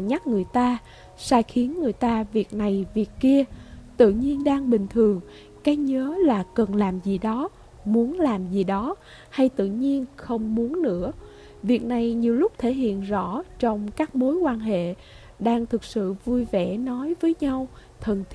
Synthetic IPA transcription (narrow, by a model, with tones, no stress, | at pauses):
ɲa˦˥k̚ŋɨ˨˩əjt̪aː˧ | saː˧jxi˨˦ənŋɨ˨˩əjt̪aː˧vi˨˩ək̚na˨˩jvi˨˩əkki˧ət̪ɨ̰˧˨ɲi˧ənɗaː˧ŋɓï˨˩ŋ̟t̪ʰɨ˨˩əŋ | kaː˨˦jɲəː˨˦laː˨˩kə˨˩nlaː˨˩mzi˨˩ɗɔ˨˦ | mu˨˦ənlaː˨˩mzi˨˩ɗɔ˨˦ | ha˧jt̪ɨ̰˧˨ɲi˧ənxə˧wŋ͡mmu˨˦ənːɨ̰˧˥ə | vi˨˩ək̚na˨˩jɲi˨˩əwlʊ˦˥k͡p̚t̪ʰe˧˩ɦḭ˧˨ənzɔ̰˧˩t͡ɕɔ˧wŋ͡mkaː˦˥k̚mo˨˦jkwaː˧nɦḛ˧˨ | ɗaː˧ŋt̪ʰɨ˨˩k̚sɨ̰˧˨vu˧jvɛ̰˧˩nɔ˨˦jvəː˨˦jɲa˧w | t̪ʰə˨˩nʰ